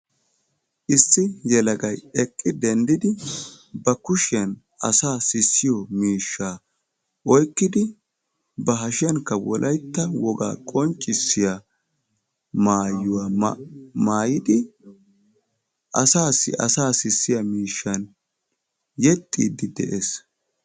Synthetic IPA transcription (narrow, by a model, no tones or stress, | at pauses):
ʔɪsːɪjɛlɐɡɐjɛkʼːɪd̪ɛnd̪ɪd̪ɪ | bɐkʊʃɐn | ʔɐ̰saːsɪsːɪjɔmiːʃːaː | ʔɔjkːɪd̪ɪ | bɐɦɐʃɪjɐnkːɐwɔlʔɐjt̪ːɐwɔɡa̰ːkʼɔnt͡ʃʼːɪsːɪja | maːjʊwaː | maːjɪd̪ɪ | ʔɐ̰saːsːɪ̰ʔɐ̰saːsɪsːɪjɐmiːʃːɐn | jɛt̪ʼːḭːd̪ɪd̪ɛʔes